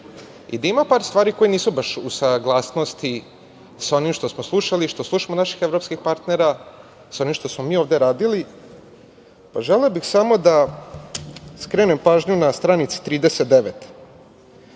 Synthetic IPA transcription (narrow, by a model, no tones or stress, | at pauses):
ḭd̪aimapaːɾst̪vʋaːɾiko̞jeniːsubaʃusaɡlˠaːsno̞st̪i | sao̞nimʃt̪o̞smoslˠuʃaliʃt̪oslˠuʃamonaʃi̥xevɾo̞pskixpaɾt̪neɾa | sao̞nimʃt̪osmo̞miːoʋd̪e̞ɾaːd̪ili | paʒeleobixsamo̞d̪a | skɾeːnempaːʒɲunast̪ɾanit̪si̥t̪ɾiːd̪eset̪̚d̪eʋet̪